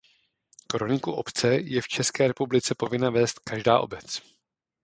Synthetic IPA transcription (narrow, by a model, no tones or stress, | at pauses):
kɾonɪkuʔo̞̰pt͡sɛjɛft͡ʃɛskɛːɾɛpublɪt͡sɛpo̞vɪnavɛːst̪kaʒdaːʔo̞̰bɛt͡s